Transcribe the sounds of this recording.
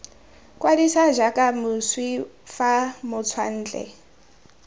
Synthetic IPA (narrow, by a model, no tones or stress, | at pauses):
kwadisaʒakʼamuswifamʊt͡sʰwa̰n̩ːd͡ɮɛ̰